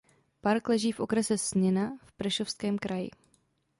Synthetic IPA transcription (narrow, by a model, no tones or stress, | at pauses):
paɾklɛʒiːfʔo̞kɾɛsɛsɲɪnafpɾɛʃo̞fskɛːmkɾajɪ̰